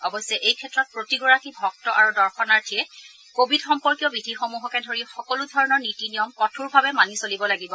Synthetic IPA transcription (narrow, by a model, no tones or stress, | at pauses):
ɔbɔsɛʔejkʰɛtɹɔt̚pɹotiɡɔɹakibʱɔk̚tɔʔaɹudɔɹxɔnaɹtʰiɛ | kobʱidxɔmpɔɹkijɔbidʱixomuɦɔkɛdʱoɹixɔkɔludʱɔɹɔnɔɹnitinijɔmkɔtʰuɹbʱabɛmanisolibɔlaɡibɔ